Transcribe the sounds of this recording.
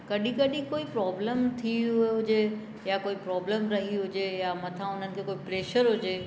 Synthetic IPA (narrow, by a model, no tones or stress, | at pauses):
kɐɗĩkɐɗĩkoːipɾɔːbləmt̪ʰiɦɦʊd͡ʑe | jakoːipɾɔːbləmɾɐɦiɦʊd͡ʑejamɐt̪ʰãʊn̤ənɪ̆kʰeːkoːipɾeːʃəɾɦʊd͡ʑeː